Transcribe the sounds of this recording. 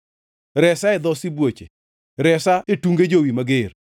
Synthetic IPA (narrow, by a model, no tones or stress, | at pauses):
ɾɛsaɛd̪ɔsibwot͡ʃḛ | ɾɛsaetuŋɡed͡ʒowimaɡer